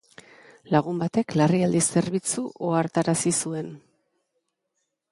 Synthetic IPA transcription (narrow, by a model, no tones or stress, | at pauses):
laɣ̞umbat̪e̞klariald̪ise̞ɾβit͡suʔoaɾt̪aɾasisue̞n